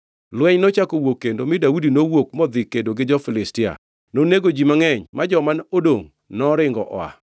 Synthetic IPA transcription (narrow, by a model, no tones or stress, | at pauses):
lwɛɲnɔt͡ʃakowokːendomɪdaudinowokmɔd̪ɪkːendoɡɪd͡ʒɔfɪlɪstɪa̰ | noneɡod͡ʒimaŋɛɲmad͡ʒɔmanodoŋ | nɔɾɪŋɡɔ̰ʔɔa̰